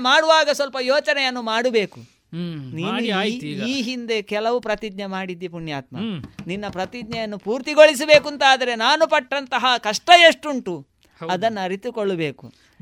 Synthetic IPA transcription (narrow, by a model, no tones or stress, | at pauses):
maːɽuʋaːɡɐsʋɐlpɐjoːt͡ʃɐnɛjɐnːumaːɽube̞ːku | niːniːɦind̪e̞kɛlɐʋupɾɐt̪id̪ɲɐmaːɽid̪ːipuɳjaːt̪mɐ̰ninːɐpɾɐt̪id̪ɲɐjɐnːupuːɾt̪iɡoɭis̬ɐbe̞ːkunt̪aːd̪ɐɾe̞naːnupɐʈːɐnt̪ɐɦɐkɐʂʈɐjeʂʈuɳʈu | ɐd̪ɐnːɐɾit̪ukoɭːube̞ːkṵ